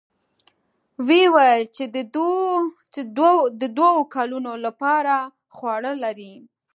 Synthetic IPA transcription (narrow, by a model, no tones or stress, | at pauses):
wewajt͡ʃed̪ | d̪əd̪wawokɑlunolapɑɾa | xwɑɽəlaɾi